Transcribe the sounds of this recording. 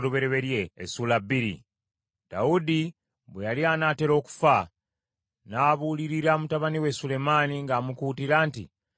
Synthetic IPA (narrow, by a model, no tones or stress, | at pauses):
ɾuβe̞ɾeβe̞ɾjḛːsulabːiɾḭ | d̥a̰udi | βwejalianaːte̞ɾo̞ːku̥fa | naːβuːliɾiɾamutaβaniwe̞sule̞maniŋɡaːmukuːtiɾaːntḭ